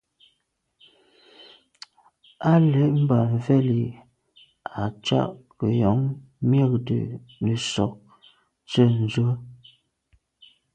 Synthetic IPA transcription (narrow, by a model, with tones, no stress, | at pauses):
a˦lə˨˦ʔm̩˦ba˨ɱ˨vɛ˦˨li˨ | a˨t͡ʃa̰˦ʔkə˨jɔ˨˦ŋ | mjə˦˨k̚də̰˨ | nə˨sɔ˨k̚ | t͡sə˦˨n̩˨zwə˦